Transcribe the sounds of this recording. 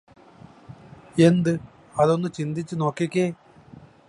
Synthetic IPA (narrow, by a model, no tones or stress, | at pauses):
e̞nd̪ɨ | ɐðo̞nːɨt͡ɕind̪it͡ɕːɨno̞ːkːikʲːeː